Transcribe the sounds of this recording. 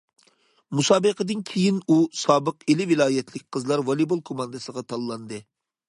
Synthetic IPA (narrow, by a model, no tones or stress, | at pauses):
musɑːbəqəd̪ɨnkʲʰejinusɑːbəqelɪvɪlˠɑːjɛt̪ʰlɪkʲqʰəzlˠɑɾwɑlˠibolˠkʰomɑnd̪ɨsəʁɑt̪ʰɑlˠːɑnd̪ɨ